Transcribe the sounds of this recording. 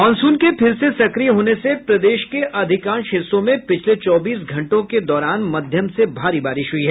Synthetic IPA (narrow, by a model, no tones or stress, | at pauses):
ɔːnsũːnkepʰɪɾsesɐkɾijɦoːnesepɾɐd̪eːʃkeʔɐd̪ʱɪkaːnʃɪsõmẽpɪt͡ʃʰlet͡ʃɔːbiːsɡʱɐ̃ɳʈõked̪ɔːɾaːnmɐd̪ʱjəmsebʱaːɾibaːɾɪʃɦʊiɦɛː